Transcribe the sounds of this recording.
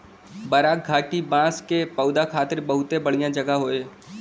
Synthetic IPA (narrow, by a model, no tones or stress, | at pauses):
bəɾaːk̚ɡʱaːʈibãːskepəʊd̪akʰaːt̪ɪɾbɐɦʊt̪ebɐɽijãd͡ʒɐɡaɦoːeː